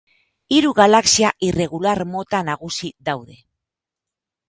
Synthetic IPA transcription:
iɾuɣalaksiaʔire̞ɣ̞ulaɾmo̞t̪anaɣ̞usiðawðe̞

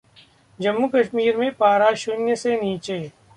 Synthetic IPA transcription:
d͡ʒɐmːukɐʃmiːɾmẽpaːɾaʃʊnjəseniːt͡ʃeː

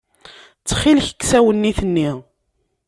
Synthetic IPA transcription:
t͡sːχilçə̥kːsæwənːiθənːi

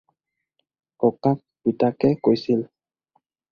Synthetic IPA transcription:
kɔkak̚bitakɛkojsil

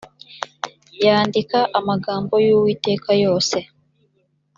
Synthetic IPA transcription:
jaːndikaʔamaɡaːmbo̞juwiːte̞ːkajo̞ːse̞

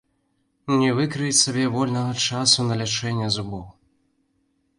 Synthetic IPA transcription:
nʲɛvɨkɾɨjt͡sʲsabʲɛvɔlʲnɐɣɐt͡ʂasunɐlʲat͡ʂɛnʲːɐzubɔw

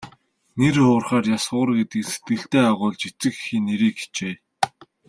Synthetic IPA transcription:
nerχʊːrχaːrjasʊːrɡet̪ɘ̆kse̥t̪̚ɡɘ̆ɬt̪eːaʁʊːɮt͡ɕet͡sɘ̆kxiːneɾiːke̥t͡ɕeː

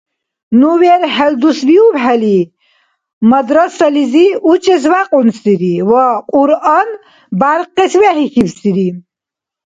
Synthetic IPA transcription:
nuwɛɾhɛld̪usbiubħɛli | məd̪ɾɔsəliziut͡ʃʼɛzwaqʼunsd̪iɾiwɔqʼuɾɑn | baɾqʼːɛswɛhixibsd̪iɾi

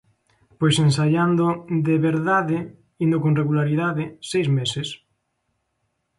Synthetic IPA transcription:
pojsensaʎand̪od̪eβeɾðaðɪ | ind̪okõnreɣulaɾiðaðɪsejzmeses

